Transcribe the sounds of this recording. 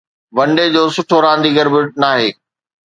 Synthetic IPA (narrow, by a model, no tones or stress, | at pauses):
ʋɐ̃ɳɖed͡ʑoːsʊʈʰoɾãːnd̪ʱiɡɐɾbɪʈ̚naːɦeː